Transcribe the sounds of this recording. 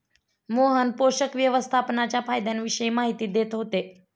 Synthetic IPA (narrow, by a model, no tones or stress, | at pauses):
moɦənpoɕəkʋjəʋəst̪ʰapnat͡ɕjafajd̪janʋiɕəjimaɦit̪iːd̪et̪ɦot̪e